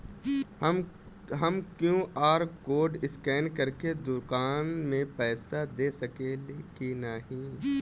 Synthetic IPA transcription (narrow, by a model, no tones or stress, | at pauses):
m | ɦɐmkjũʔaːɾkoːɖɪskɛːnkɐɾked̪ʊkaːnmẽpɛːsad̪eːsɐkelekinaːɦĩ